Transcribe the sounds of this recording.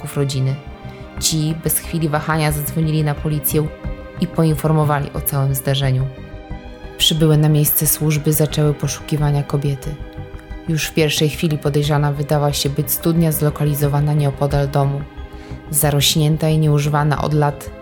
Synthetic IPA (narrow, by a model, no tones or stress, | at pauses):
ufɾɔd͡ʑinɘ | t͡ɕibɛsxfʲilʲivaxaɲazad̪zvɔɲilʲinapɔlʲit̪sʲjɛ̃ | ipɔinfɔɾmɔvalʲḭʔɔ̰t̪sawɘmzd̪aʐɛɲu | pʂɘbɘwɘnamʲjejst̪sɛswuʐbɘzat͡ʂɛwɘpɔʂu̥kʲivaɲakɔbʲjɛt̪ɘ | juʂfpʲjɛɾfʂɛjxfʲilʲipɔd̪ɛjʐanavɘd̪awaɕɛbɘt͡ɕst̪ud̪ɲazlɔkalʲizɔvanaɲɛɔpɔd̪ald̪ɔmu | zaɾɔɕɲɛnt̪aiɲɛuʐɘvana̰ʔɔ̰d̪lat̪